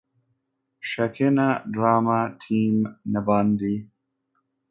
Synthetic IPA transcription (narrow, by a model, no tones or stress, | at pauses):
ʃakʰenaɖɾaːmatʰiːmnabɑnd̪i